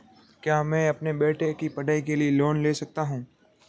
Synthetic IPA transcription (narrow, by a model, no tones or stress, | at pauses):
kjaːmɛ̃ːɐpnebeːʈekipɐɖaːikelieloːnleːsɐk̚t̪aɦũː